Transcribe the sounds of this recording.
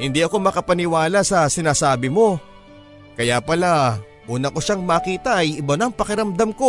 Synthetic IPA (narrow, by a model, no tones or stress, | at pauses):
hɪnd̪iʔɐko̞mɐkɐpɐnɪwaːlasɐsɪnaːsaːbɪmo̞ | kɐjapɐla | ʔuːnɐko̞ʃaŋmɐkiːt̪ɐʔɐjʔɪbɐnɐŋpɐkɪɾɐmd̪amko̞